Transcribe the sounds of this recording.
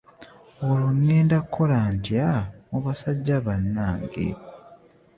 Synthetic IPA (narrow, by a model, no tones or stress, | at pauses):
olonːeːndakʰːo̞laːntjamuβasaɟːaβanːaːŋɡḛ